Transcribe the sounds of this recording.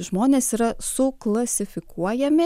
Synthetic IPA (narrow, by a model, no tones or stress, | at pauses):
ʒmoːnʲeːsiːɾɐsʊklˠɐsʲɪfʲɪkuɔjɛmʲɪ